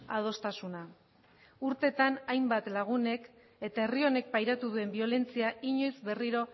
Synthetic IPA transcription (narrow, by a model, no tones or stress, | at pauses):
að̞o̞st̪asuna | uɾt̪e̞t̪anajmbat̪laɣ̞une̞k | e̞t̪aerio̞ne̞k̚pajɾat̪uðue̞mbio̞le̞nt͡siaʔiɲojzβe̞riɾo̞